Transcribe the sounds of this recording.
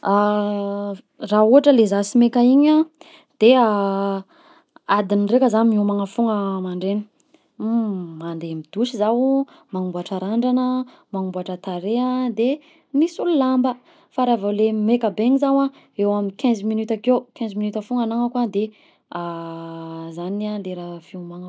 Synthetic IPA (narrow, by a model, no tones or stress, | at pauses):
a | rauaʈ͡ʂəlezasimekaiɲa | d̪̥ea | ad̪inirekəzanmomaŋəfuŋəmaɳɖ͡ʐeni̥ | mand̪emid̪̥uʃizau | maŋumbaʈ͡ʂaɾaɳɖ͡ʐanə | maŋumbaʈ͡ʂət̪aɾeəd̪e | nisululambə | faɾavalemekəbeɲizawa | ewaminkɛ̃zminyt̪akewkɛ̃zminyt̪afuŋanaŋakwad̪e | a | zanad̪eɾafiumaŋ